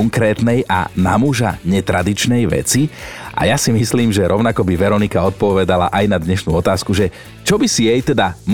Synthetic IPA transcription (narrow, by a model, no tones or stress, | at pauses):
ɔŋkɾɛːt̪nɛjʔa̰na̰muʒaɲɛt̪ɾad̪it͡ʃnɛjʋɛ̰t͡siʔa̰jasimisliːmʒɛɾʔɔʊnakɔbiʋɛɾɔnikaɔt̪̚pɔʋɛd̪ala̰ʔajnad̪ɲɛʃnṵɔt̪aːskuʒɛ | t͡ʃɔbisijɛjt̪ɛd̪am